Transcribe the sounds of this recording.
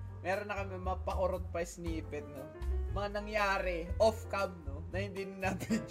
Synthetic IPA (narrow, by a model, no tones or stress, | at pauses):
mɛːɾonːɐkɐmɛmɐŋapɐkoɾot̪̚pɐjsniːpɛt̪̚nomɐŋanɐŋjaːɾɛʔofkɐmnonɐhɪnd̪inɪnaɡɪ